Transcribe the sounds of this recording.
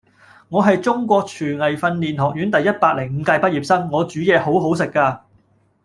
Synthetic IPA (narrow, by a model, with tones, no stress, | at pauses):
ŋɔː˨˧ɦɐ˨jt͡sʊ˥ŋkʷɔː˧k̚t͡ʃʰyː˨˩ŋɐ˨jfɐ˧nliː˨nɦɔː˨k̚jyː˨˥nt̪ɐ˨jːɐ˥t̚paː˧k̚lɪ˨˩ŋm̩˨˧kaː˧jpɐ˥t̚jiː˨p̚sɐ˥ŋŋɔː˨˧t͡ʃyː˨˥jɛː˨˧ho˨˥wɦo˨˥ws̬ɪ˨kːaː˧